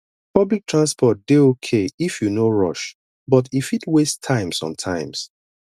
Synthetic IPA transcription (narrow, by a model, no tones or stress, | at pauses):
pʌblik̚tʰɹãnspɔt̚deokʰeifjunoɹɔ̰ʃ | bɔtifitwestʰãɪ̃msɔ̰̃mtʰãɪ̃ms